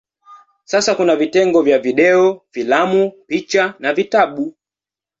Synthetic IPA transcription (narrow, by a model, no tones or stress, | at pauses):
sasakunavitɛŋɡɔvjaviɗɛɔfilamupit͡ʃanavitaɓu